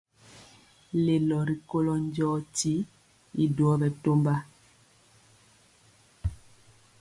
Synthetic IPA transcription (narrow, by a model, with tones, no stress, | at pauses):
le˨lɔ˨ɾi˨ko˦lɔ˦ɲ˦d͡ʒɔː˦ti˦ | i˨du˨ɔ˦bɛ˨to˦mba˦